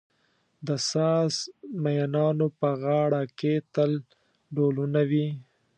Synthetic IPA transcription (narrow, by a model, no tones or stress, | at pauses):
d̪əsɑːsmajanɑnopəɣɑɽaket̪əl | ɖolunawi